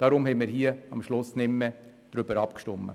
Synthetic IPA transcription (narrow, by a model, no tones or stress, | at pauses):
d̥ɑːɾʊmhɛɪmɪːɾɦiəɑmʃlʊsnɪmːɛ | d̥ɾybəɾɑpkʃtʊmːə̰